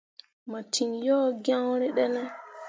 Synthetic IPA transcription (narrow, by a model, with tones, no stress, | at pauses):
ma˨tʰi˨njɔ˦ɡã˦wɾɛ˦ɗɛ˦nɛ˦